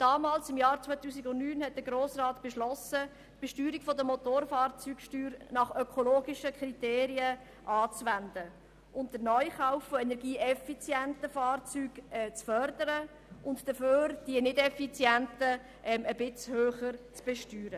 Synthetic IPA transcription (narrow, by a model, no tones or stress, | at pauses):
d̥ɑːmɑːlsɪmjɑːɾt͡sʋœɪt̪uːsɪɡʊntnyːnhɛt̚d̥̪əɡɾoːsrɑːtb̥ɛʃlɔsə | tb̥ɛʃtyːɾikfɔd̪əmotoːɾfɑːɾt͡syːkʃtyːɾnɑχøkʰoloːɡiʃəkʰɾit̪eːɾiə | ʔɑːt͡sʋænd̪ə | ʔʊntd̥ənœʏχaʊfːoɛnɛɾɡiːʔɛfit͡sjɛntəfɑːrt͡syːɡɛt͡sfœɾd̥əɾə | ʔʊntd̥əføːɾd̥iənɪdɛfit͡sjɛntə | ʔɛməbɪt͡shøːχəɾt͡sb̥ɛʃtyːɾə